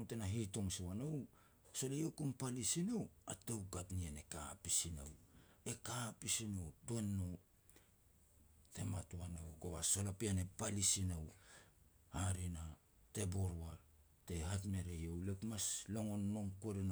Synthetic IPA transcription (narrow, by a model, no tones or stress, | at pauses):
tenaɦitoŋsiwanow | so̞lejokumpalisinowatewkatniane̞kapisina̰w | e̞kapisinowtenːo | te̞matuanowkoβaso̞lapianepalisinaw | aɾina | te̞boɾwa | te̞ɦatme̞ɾejowlekmaslo̞ŋo̞nːo̞ŋkoɾin